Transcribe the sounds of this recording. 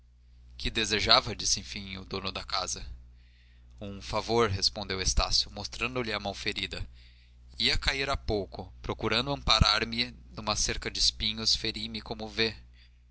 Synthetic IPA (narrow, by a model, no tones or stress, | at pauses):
kɪd̪ezeʒavɐd͡ʒisẽfĩjʊd̪õnʊd̪ɐkazɐ | ũfavoɾɦespõnd̪ewest̪asjʊmost̪ɾɐ̃nd̪ʊlɪɐmɐ̃w̃feɾid̪ɐ | iɐkaiɾapowkʊpɾokuɾɐ̃nd̪ʊɐ̃mpaɾaɾmɪnũmɐseɾkɐd͡ʒɪspĩɲʊsfeɾimɪkõmʊve